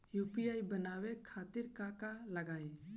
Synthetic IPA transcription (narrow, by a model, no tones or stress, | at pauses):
jupijaːjbənaːwekʰaːt̪ɪɾkakalɐɡaːẽ